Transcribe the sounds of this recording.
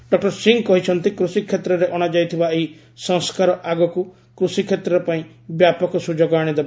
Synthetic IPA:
ɖɔk̚ʈɔɾsiŋkɔɦit͡ʃʰɔnt̪ikɾusikʰːet̪ɾɔɾeʔɔɽ̃ad͡ʒajt̪ʰibaeɦi | sɔ̃ŋskaɾɔʔaɡɔku | kɾusikʰːet̪ɾɔɾɔpaĩ | bjapɔkɔsud͡ʒoɡɔaɽ̃id̪eba

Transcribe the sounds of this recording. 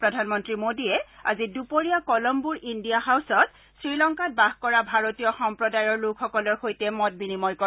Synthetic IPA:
pɹɔdʱanmɔntɹimodiɛa̰zidupoɹijakɔlɔmbuɹʔindijaɦawsɔt | sɹilɔŋkat̚baɦkɔɹabʱaɹotijɔxɔmpɹɔdajɔɹlukʰxɔkɔlɔɹxojtɛmɔt̚binimɔjkɔ

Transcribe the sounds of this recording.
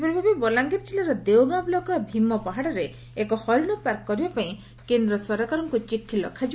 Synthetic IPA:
pɾɔbʱabebɔlaŋɡeɾt͡ʃʰilaɾɔd̪ewɡablɔkɔɾɔbʱimːɔpaɦaɽɔɾeː | kɔhɔlnɔpaɾkkɔɾibapaĩ | kend̪ɾɔsɔɾakaɾɔŋkut͡ʃiʈʰilɔkʰad͡ʒi

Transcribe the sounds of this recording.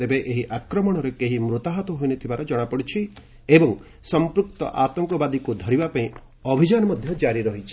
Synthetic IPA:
ebeʔeɦiʔakɾɔmɔɽ̃ɔɾekeɦimɾut̪aɦɔt̪ɔɦojnet̪ʰibaɾɔd͡ʒɔɽ̃apɔɽit͡ʃʰi | ebɔŋ | sɔmpɾukt̪ɔ̰ʔat̪ɔŋkɔbad̪ikud̪ʱɔɾibapaĩ | ɔbʱid͡ʒanɔmɔd̪ʱjɔd͡ʒaɾiɾɔɦit͡ʃʰi̥

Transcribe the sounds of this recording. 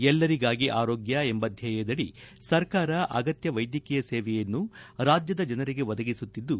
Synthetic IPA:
ɛlːɐɾiɡaːɡiʔaːɾoːɡjɐembɐd̪ʱjɐjɛd̪ɐɽi | sɐɾkaːɾɐʔɐ̰ɡɐt̪jɐʋɐjd̪jɐkijɐseːʋɛjɐnːuɾaːd͡ʒjɐd̪ɐd͡ʒɐnɐɾiɡe̞ʋɐd̪ɐɡisut̪ːid̪ːu

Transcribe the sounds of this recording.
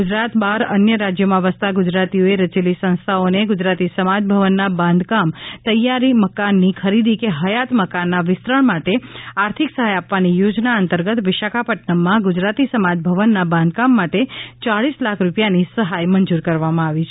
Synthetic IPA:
ɡud͡ʒɾat̪baɾənjəɾad͡ʒjomãʋəst̪aɡʊd͡ʒɾat̪ioeɾət͡ʃelisə̃ñst̪ʰaoneɡʊd͡ʒɾat̪isəmad͡ʒbʱəʋənːabãnd̪ʱkamt̪əjaɾiməkanːikʰəɾid̪ikeɦəjat̪məkanːaʋɪst̪ɾəɳmaʈeaɾt̪ʰiksəɦajapʋanijod͡ʒnaənt̪əɾɡət̪ʋɪʃakʰapəʈnəmːãɡud͡ʒɾat̪isəmad͡ʒbʱəʋənːabãnd̪̚kamːaʈet͡ʃaɭislakʰɾupjanisəɦajmənd͡ʒuɾkəɾʋamãaʋit͡ʃʰe

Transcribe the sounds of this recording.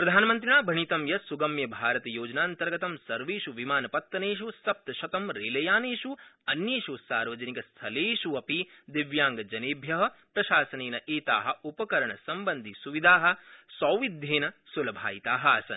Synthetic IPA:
pɾɐd̪ʱaːnɐmɐnt̪̬ɾiɳaːbʱɐɳit̪ɐmjɐsuɡɐmjɐbʱaːɾɐt̪ɐjoːd͡ʒɐnaːnt̪ɐɾɡɐt̪ɐmsɐɾʋeːʃuʋimaːnɐpɐt̪ːɐneːʃusɐp̚t̪ɐʃɐt̪ɐmɾeːlɐjaːneːʃuɐnjeːʃusaːɾʋɐd͡ʒɐnikɐst̪ʰɐleːʃuɐpid̪iʋjaːŋɡɐd͡ʒɐneːbʱjɐɦɐ̆pɾɐʃaːsɐneːnɐʔeːt̪a̰ːɦɐ̆upɐkɐɾɐɳɐsɐmbɐnd̪ʱisuʋid̪ʱaːɦɐ̆sɐːwʋid̪ʱjeːnɐsulɐbʱa̰ːjit̪aːɦɐaːsɐ̰n

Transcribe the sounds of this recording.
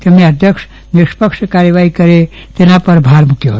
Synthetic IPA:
t̪emẽəd̪ʱjəkʂ | nɪʂpəkʂkaɾjəʋaɦikəɾe | t̪enapəɾbʱaɾmukʰjoɦoːt̪

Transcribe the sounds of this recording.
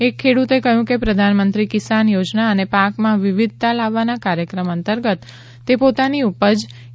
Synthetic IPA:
ekʰːeɽut̪ekəɦjũkepɾəd̪ʱanmənt̪ɾikɪsanjod͡ʒnaənepakmãʋɪʋɪd̪̚ʱt̪alaʋːanakaɾjəkɾəmənt̪əɾɡət̪ː | epot̪aniupəd͡ʒ

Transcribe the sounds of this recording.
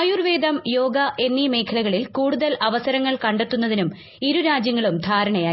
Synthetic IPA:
juːrʋeːd̪ɐmjo̞ːɡɐʔe̞nːime̞ːkʰɐlɐɣɐɭilkuːɽuðɐlɐʋɐsɐɾɐŋːɐɭkɐɳɖe̞t̪ːunːɐðinum | iɾuɾaːd͡ʑjɐŋːɐɭumd̪ʱaːɾɐɳɐjaː

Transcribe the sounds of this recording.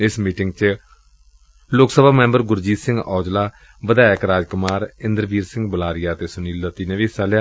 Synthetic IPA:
ɪsmiːʈɪŋɡt͡ʃ | lʊksəbaːmɛ̃ːmbəɾɡʊɾd͡ʒiːsɪ̃ŋɡɔːd͡ʒlaː | ʋəd̪aːɪkɾaːd͡ʒkʊmaːɾɪ̃nd̪əɾʋiːɾsɪ̃ŋɡbəlaːɾɪjaːt̪eːsʊniːld̪ət̪ːiːnẽːʋiːsaːlja

